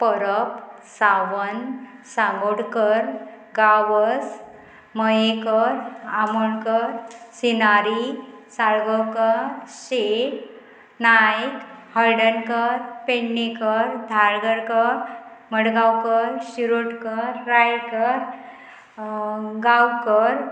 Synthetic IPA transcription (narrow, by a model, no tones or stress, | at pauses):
pəɾəpsaʋənsaɡoɽkəɾ | ɡaʋəs | məjekəɾamoɽkəɾsinaɾi | saɭɡəwkəɾɕe | najkhəɾɖənkəɾpenːekəɾd̪ʱaɾɡəɾkəɾməɽɡawkəɾɕiɾoʈkəɾːajekəɾ | ɡawkəɾ